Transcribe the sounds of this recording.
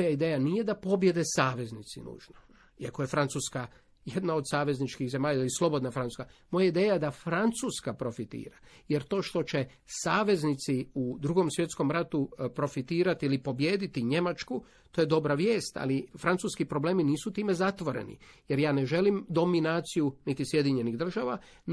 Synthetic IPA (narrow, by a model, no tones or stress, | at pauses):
mojaid̪eːjanije̞d̪apo̞bje̞d̪e̞saːʋe̞znit̪sinṵːʒno | iakoje̞fɾant̪suːska | je̞d̪naosaːʋe̞znit͡ʃkiɣze̞maːʎaailislˠo̞bo̞d̪nafɾanu̥skamo̞jaid̪eːjajed̪afɾant̪suːskapɾo̞fit̪ḭːɾajeɾt̪o̞ːʃt̪o̞t͡ʃe̞ | saːʋe̞znit̪siud̪ɾuɡo̞msʋje̞t̪sko̞mɾat̪upɾo̞fit̪iːɾat̪iilipo̞bje̞ːd̪it̪iɲe̞mat͡ʃku | t̪oje̞d̪o̞bɾaʋje̞ːst̪a̰lifɾant̪uːskipɾo̞ble̞ːminiːsut̪iːme̞zat̪ʋo̞ɾḛnḭje̞ɾjaːne̞ʒe̞limd̪o̞minaːt̪sijunit̪isje̞d̪iɲe̞niɣd̪r̩ʒaːʋa